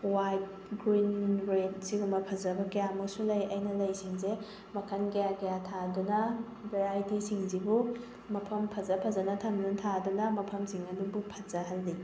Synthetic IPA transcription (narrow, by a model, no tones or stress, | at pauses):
wajt̚ | ɡɾinbɾet̚siɡumɐpʰɐzɐbɐkɐjamuk̚sulɐjɐjnɐlɐjsiŋze | mɐkʰɐnɡɐjaɡɐjatʰadunɐ | bʱeɾajtisiŋzibu | mɐpʰɐmpʰɐzɐpʰɐzɐnɐtʰɐmnɐntʰadunɐmɐpʰɐmsiŋɐdubupʰɐzɐɦɐlːi